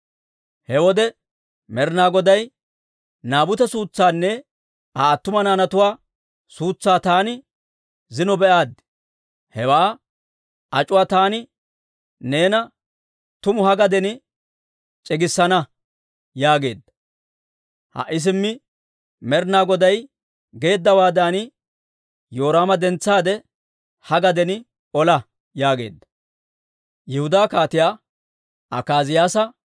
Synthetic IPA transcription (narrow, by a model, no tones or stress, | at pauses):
hɛwɔd̪ɛ | mɛɾnaːɡɔd̪ɐj | naːbʊt̪ɛsuːt͡sːaːnːɛ | aːt̪ːʊmɐnaːnɐt̪ʊwaː | suːt͡sːaːt̪aːnɪ | zɪnɔbɛʔaːd̪ːɪ̥ | hɛwaː | ʔɐt͡ʃʼʊwaːt̪aːnɪ | ne̞ːnɐ | t̪ʊmʊhɐɡɐd̪ɛnɪ | t͡ʃʼɪɡɪsːɐnɐ | jaːɡe̞̰ːd̪ːɐ̥ | hɐ̰ʔɪs̬ɪmːɪ | mɛɾnaːɡɔd̪ɐj | ɡe̞ːd̪ːɐwaːd̪aːnɪ | joːɾaːmɐd̪ɛnt͡sːaːd̪ɛ | hɐɡɐd̪ɛnɪ | ʔɔlɐ | jaːɡe̞̰ːd̪ːɐ̥ | jɛhʊd̪aːkaːt̪ɪjaː | ʔɐkaːzɪjaːsɐ